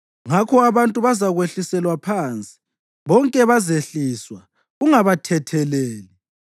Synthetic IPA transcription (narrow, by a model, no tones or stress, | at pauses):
ŋakʰɔaβantʼuβazaɣweɬisɛlwapʰant͡sʼi̥ | βɔŋkʼɛβazeɬiswa | uŋaβatʰɛtʰɛleːli